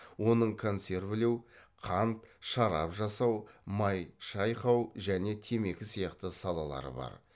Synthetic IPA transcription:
wo̞nəɴkʰo̞nse̞ɾbɪle̞wqʰɑnt̪ʃɑɾɑ̰pʒɑsɑwmɑjʃɑjqɑwʒæne̞t̪ʰe̞me̞kʲɪsijɑqt̪əsɑlˠɑlˠɑ̰ɾə̰bɑ̰ɾ

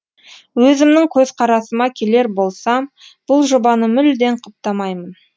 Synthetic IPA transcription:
wɵzɪmnɪŋkʲʰɵzqʰɑɾɑsəmɑkʲʰe̞le̞ɾbo̞lˠsɑ | b̥ʊlˠʒobɑnəmʏld̪e̞ɴqʰəp̚t̪ɑmɑjmən

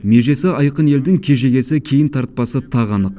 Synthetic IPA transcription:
me̞ʒe̞sɪɑjqəne̞ld̪ɪŋkʲʰe̞ʒe̞ɡʲe̞sɪkʲʰe̞jɪnt̪ʰɑɾt̪̚pɑsət̪ʰɑʁɑnəq

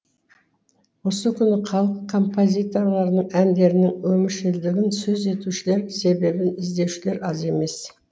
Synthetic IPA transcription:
wo̞səkʲʰʏnɪqʰɑlˠəqkʰːo̞mpʰo̞zʲijt̪o̞rlˠɑɾnəɴænd̪e̞ɾɪnɪŋwɵmɪʃɪld̪ɪɡʲɪnsɵze̞t̪uʃɪle̞ɾse̞be̞bɪnɪzd̪e̞wʃɪle̞ɾɑze̞me̞s

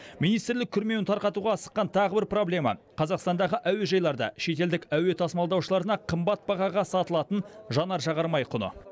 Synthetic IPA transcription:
mijnijst̪ɪɾlɪkʲʰʏɾme̞wɪnt̪ʰɑɾqɑt̪uʁɑːsə̥qːɑnt̪ʰɑʁəbɪɾpro̞blʲe̞mɑ̰ | qʰɑzɑqst̪ɑnd̪ɑʁəʔæwe̞ʒɑjlˠɑɾd̪ɑ̰ʃe̞t̪e̞ld̪ɪkæwe̞t̪ʰɑsmɑlˠd̪ɑwʃəlˠɑɾənɑqʰəmbɑt̪̚bɑʁɑʁɑsɑt̪əlˠɑt̪ənʒɑnɑɾʒɑʁɑɾmɑjqʰʊnə̰

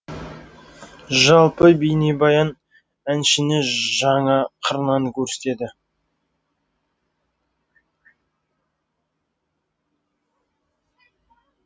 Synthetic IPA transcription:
ʒɑlˠpəbejnebɑjɑn | ænʃɪnɪʒɑɴɑqʰəɾnɑŋkʲʰɵɾse̥t̪e̞d̪ɪ

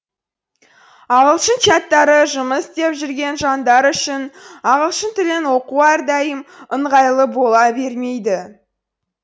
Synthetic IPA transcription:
ɑʁəlˠʃənt͡ʃat̪ːɑɾəʒʊməsd̪e̞pʒʏɾɡʲe̞nʒɑnd̪ɑɾʏʃɪnɑʁəlˠʃənt̪ʰɪlɪnwo̞quɑɾd̪ɑjəməɴʁɑjlˠəbo̞lˠɑbe̞ɾme̞jd̪ɪ

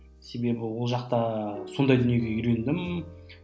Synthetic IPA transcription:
se̞be̞bɪwolˠʒɑqt̪ɑso̞nd̪ɑjd̪ʏnje̞ɡʲe̞ʏɾe̞nd̪ɪm

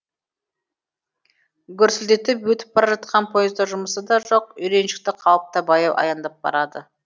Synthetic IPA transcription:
ɡʲʏɾsɪld̪e̞t̪ɪpwɵt̪ɪ̥p̚bɑɾɑʒɑt̪̚qɑnpʰo̞jəzd̪ɑʒʊməsəd̪ɑʒo̞qʏjɾe̞nʃɪ̥k̚t̪ɪqʰɑwˠəp̚t̪ɑbɑjɑwʔɑ̰jɑnd̪ɑp̚bɑ̰ɾɑd̪ə

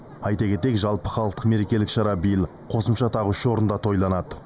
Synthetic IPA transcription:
ɑjt̪ɑɡʲe̞t̪e̞kʒɑlˠpəχɑlˠəqt̪ə̥qme̞ɾe̞kʲe̞lɪkʃɑɾɑbijəlˠ | qʰo̞səmʃɑt̪ʰɑʁʏʃwo̞ɾənd̪ɑt̪ʰo̞jlˠɑnɑd̪ə

